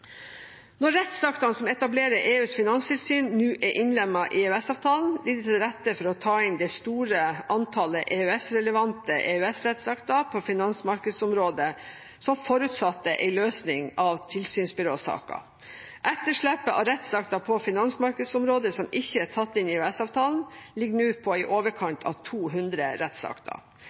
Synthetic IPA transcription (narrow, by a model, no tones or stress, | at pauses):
nɔɾɛt̪sɑkt̪ɑnsɔmɛt̪ɑbleːɾəɾʔeːʉːsfɪnɑnst̪ʰɪlsyːnnʉːʔɛʔɪnlɛmːɑʔɪʉɛsɑːʋt̪ʰɑːln̩d̪ɪt̪ʰɑɾɛt̪ːəfɔɾɔt̪ʰɑːɪnd̪ɛɪst̪uːɾəɑnt̪ʰɑːləʔeːʉɛsɾɛləʋɑnt̪əʔeːʉɛsɾɛt̪sɑkt̪ɑpʰɔfɪnɑnsmɑɾkəd̪sɔmɾoːd̪ə | sɔmfɔɾʉt̪sɑt̪ːəʔɛ̰ɪløːsnɪŋɑʋt̪ʰɪlsyːnsbɪɾoːsɑ̰ːkə̰ | ʔɛt̪ːəʂɭɛpːəʔɑ̰ʋɾɛt̪sɑkt̪ɑpʰɔfɪnɑnsmɑɾkəd̪sɔmɾoːd̪əsɔmɪçːəæʈʰɑt̪ːɪnɪʉːɛsɑːʋt̪ʰɑːln̩lɪɡːnʉːpʰɔɪʔoːʋəɾkʰɑɳt̪ʰɑ̰ʋt̪ʰuːɦʉnd̪ɾəɾɛt̪sɑ̰kt̪ʰɑ̰